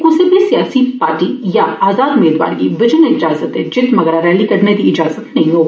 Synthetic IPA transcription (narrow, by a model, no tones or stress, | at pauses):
kʊ̃sebʱisijaːsipaːɾʈijaaːzaːd̪ʊmeːd̪ʋa̰ːɾkiʋɪd͡ʒənəɪd͡ʒaːzət̪ɦɛd͡ʒɪt̪mɐɡɾaɾɛːlikɐɾned̪iɪd͡ʒaːzət̪nɐɦĩɦoː